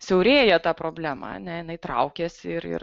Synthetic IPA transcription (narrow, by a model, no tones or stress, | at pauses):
sʲɛʊɾʲeːjɛt̪ɑːpɾoːbʲlʲæːmɐ̰ɐ̰nʲɛjɪnɐɪt̪ɾɐ̰ʊkʲeːsʲɪɪɾɪ̰r